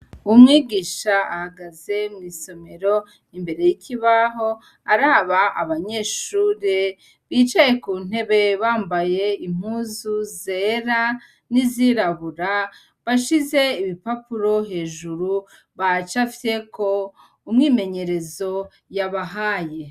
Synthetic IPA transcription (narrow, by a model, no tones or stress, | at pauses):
umŋiːɡiːʃaahaɡaze̞mŋiːso̞me̞ɾo̞ | imbe̞ɾe̞jicʰiβaɦo̞ | aɾaːβaʔaβaɲe̞ːʃuːɾe | βiːt͡ʃaje̞kuːn̥e̞βe̞βaːmbaje̞im̥huːzuze̞ːɾa | niziɾaβuɾa | βaʃize̞iβipapuɾo̞ɦe̞ːʒuɾu | βat͡ʃafi̥te̞kʰo̞ | umŋiːme̞ɲe̞ɾe̞zo̞ | jaβaɦaːje̞